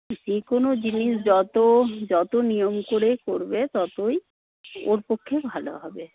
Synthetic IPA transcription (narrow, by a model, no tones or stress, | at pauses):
d͡ʑekonod͡ʑiniʃd͡ʑɔt̪od͡ʑɔt̪onijomkoɾekoɾbet̪ɔt̪oj | oɾpokʰːebʱalo̰ɦɔbe